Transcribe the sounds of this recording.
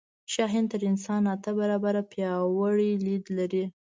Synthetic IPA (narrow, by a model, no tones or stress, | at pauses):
ʃɑɦɪnt̪əɾɪnsɑnat̪abaɾɑbaɾapjɑwaɽilid̪laɾi